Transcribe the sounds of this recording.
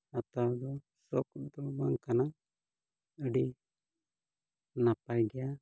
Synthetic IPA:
at̪ad̪ɔ | sɔkd̪ɔbaŋkana | əɖi | napajɡɛja

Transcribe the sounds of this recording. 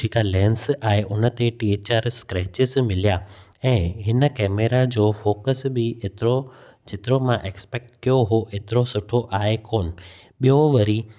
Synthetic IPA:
d͡ʒʱiːkalɛ̃ːnsaːɦeʔʊnə̆t̪eʈiːet͡ɕaːɾskɾɛːt͡ɕɪzmɪlija | ɛ̃ːɦɪnə̆kɛːmeːɾad͡ʑoːfoːkəsbɪet̪ɾo | d͡ʑɪt̪ɪɾomãʔeːkspeːk̚ʈkijoɦoʔeːt̪ɪɾosʊʈʰoʔaːɦekoːnɪ̆ | ɓijoʋɐɾiː

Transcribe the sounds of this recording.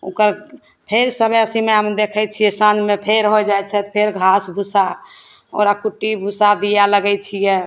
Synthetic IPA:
ṵkəɾ | pʰeɾsəbʱəsimeɦəmd̪ekʰɛt͡ʃʰijɛsãnd͡ʒmepʰeɾɦod͡ʒajt͡ʃʰɛt̪ɔpʰeɾɡʱasbʱusa | o̰ɾakuʈːibʱusad̪ijaləɡɛt͡ʃʰijɛ

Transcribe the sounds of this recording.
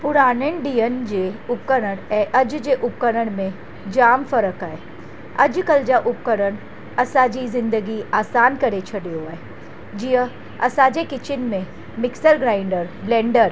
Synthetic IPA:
pʊɾaːnənɖiːjənd͡ʑeːʊp̚kəɾəɽ̃ʔɐd͡ʑd͡ʑeʔʊp̚kəɾəɽ̃mẽ | d͡ʑaːmfɐɾəkaːɦe | ɐd͡ʑkɐld͡ʑaʔʊp̚kəɾəɽ̃ | ɐsãd͡ʑizɪ̃nd̪əɡiaːsaːnkɐɾet͡ɕʰɐɗijoaːɦe | d͡ʑiə̃ | ɐ̰sãd͡ʑekɪt͡ɕɪnmẽ | mɪksəɾɡɾaːɪɳɖəɾblẽːɳɖəɾ

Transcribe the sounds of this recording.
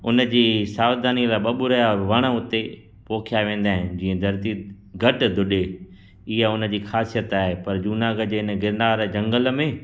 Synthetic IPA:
ʊnə̆d͡ʑiːsaːʋd̪aːniəlaːɓɐɓʊɾɐjaʋɐɽ̃əʊt̪e | poːkʰjaːʋẽːn̆d̪aːɦɪ̃nd͡ʑiːə̃d̪ʱɐɾt̪i | ɡʱɐʈ̆d̪ʱʊɗe | ɪɦaʊnə̆d͡ʑiːxaːsijət̪aːɦepɐɾd͡ʑuːnaːɡəd͡ʑeːɪnɡɪɾnaːɾd͡ʑɐ̃ŋɡəl̆mẽː

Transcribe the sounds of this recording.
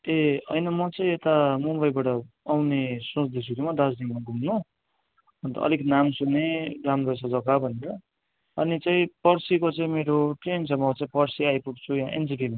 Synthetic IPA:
eʌ̰jnʌmʌt͡sʌĩet̪amumbʌjbaʈʌ | awnesõsd̪isuɾimʌd̪ad͡znimaɡʱumnu | ʌnt̪ʌ̰ʌ̰liknamsuneɾampʌjsad͡zʌkabʱʌneɾʌ | ʌnit͡saĩpʌrsikot͡saĩmeɾoʈrensʌmat͡saĩpʌrsiajpuʈt͡sʰujãʔḛnd͡zikima

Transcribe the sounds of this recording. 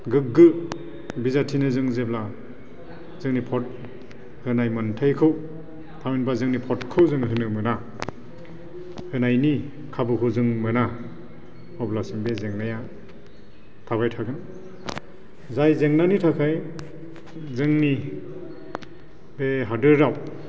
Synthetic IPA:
ɡɯɡɯ | bizatʰinɯzɯŋzebla | zɯŋnipʰɔt̚ | hɯnajmɯntʰajkʰɯw | tʰaminbazɯŋnipʰɔtkʰɯwzɯŋɦɯnɯmɯna | hɯnajni | kʰabɯkʰɯwzɯŋmɯna | ɔblasɯŋbezeŋnaja | tʰaβajtʰaɡɯn | zajzeŋnanitʰakʰaj | zɯŋni | beɦadɯɾaw

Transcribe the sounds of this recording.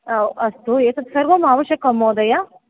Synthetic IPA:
ɐst̪ueːt̪ɐt̪sɐɾʋɐmaːʋɐʃjɐkɐmoːd̪ɐja

